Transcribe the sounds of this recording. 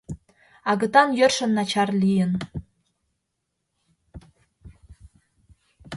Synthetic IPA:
ɑɣɤ̆t̪ɑnjørʃə̆nːɑt͡ɕɑrlʲijə̆n

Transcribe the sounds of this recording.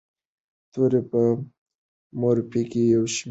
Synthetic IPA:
t̪oɾepə | moɾpekejawʃm

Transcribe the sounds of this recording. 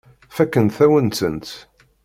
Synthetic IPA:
fækːənt̪θæwənsə̰nt̪

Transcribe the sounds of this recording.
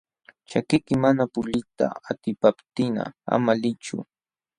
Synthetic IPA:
t͡ʃakɪkɪmanapʊʎɪt̪a̰at̪ɪpapt̪ɪna̰a̰malɪt͡ʃʊ̰

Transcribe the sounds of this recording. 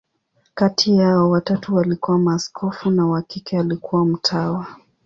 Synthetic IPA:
katʰiaɔwatatuwalikuwamaskʰɔfunawakikɛalikuwam̩tʰawa

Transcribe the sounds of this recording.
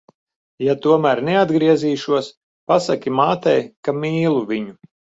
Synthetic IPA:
jat̪uɔmæːɾnɛad̪ɡɾiɛziːʃuɔs | pasakʲimaːt̪ɛjkamiːlˠuviɲu

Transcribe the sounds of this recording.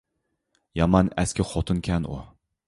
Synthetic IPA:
jɑmɑnɛskʲɪχot̪ʰɨnkʲʰɛnu

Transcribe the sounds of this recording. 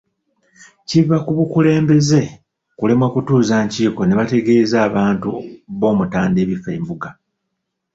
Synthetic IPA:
civakuβukule̞ːmbe̞ze̞ | kule̞mwakutuːzaːɲciːko̞ne̞βate̞ɡe̞ːzaːβaːntuβo̞ːmutaːnde̞ːβife̞ːmbuɡa

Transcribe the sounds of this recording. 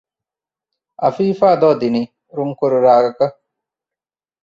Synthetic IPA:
ɐ̰fiːfaːd̪ɔːd̪ini | ɾuŋkuɾuɾaːɡɐkɐ

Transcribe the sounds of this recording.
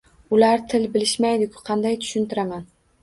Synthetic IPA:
ʊlaɾt̪ʰɪlbɪlɪʃmajd̪ɪkʲʰʊ̥qʰɑnd̪ajt̪ʰʊ̥ʃʊnt̪ɪɾaman

